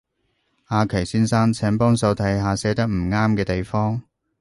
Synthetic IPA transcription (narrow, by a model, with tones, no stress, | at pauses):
aː˧kʰe˨˩siː˥nsaː˥nt͡sʰɛː˨˥ŋpɔː˥ŋsɐ˧wt̪ʰɐ˨˥jɦaː˨˧sɛː˨˥t̪ɐ˥k̚m̩˨˩ŋaː˥mkɛː˧t̪e˨jfɔː˥ŋ